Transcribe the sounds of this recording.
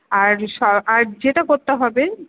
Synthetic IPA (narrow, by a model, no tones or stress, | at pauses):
aɾʃɔaɾd͡ʑeʈakoɾt̪eɦɔbe